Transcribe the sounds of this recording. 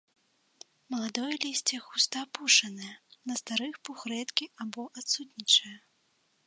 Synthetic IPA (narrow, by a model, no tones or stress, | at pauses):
mɐlˠad̪ɔjɐlʲisʲt͡sʲɛxust̪ɐapuʂɐnɐjɐnɐst̪aɾɨxpuxɾɛt̪kʲiabɔʔat̪sut̪ʲnʲit͡ʂɐjɐ